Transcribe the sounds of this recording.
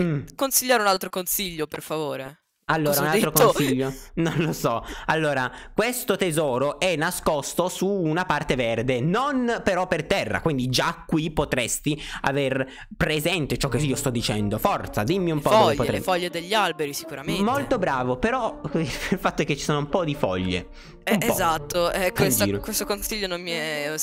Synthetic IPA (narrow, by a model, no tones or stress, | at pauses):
m̩konsiʎːaːɾeunalt̪ɾokonsiʎːoperfavoːɾe | alːoːɾaunalt̪ɾokonsiʎːononlosɔalːoːɾakwest̪ot̪ezɔːɾoʔɛnːaskost̪osuːnapart̪everd̪enonpeɾɔpːert̪ɛrːa̰kwind̪id͡ʒakːwipot̪ɾest̪ia̰ver | pɾezɛnt̪et͡ʃɔk̟ːeiːost̪ɔd̪ːit͡ʃɛnd̪ofɔrt̪sad̪imːiumpɔɔeʎpot̪ɾɛfɔʎːed̪eʎːialbeɾisi̥kuɾamemolt̪obɾaːvopeɾɔililfat̪ːoɛkːet͡ʃːi̥soːnoumpɔd̪ifɔ̰ʎːḛ | ɛumpɔzat̪ːoɛkːed͡ʒiɾokwest̪okonsiʎːononmiɛ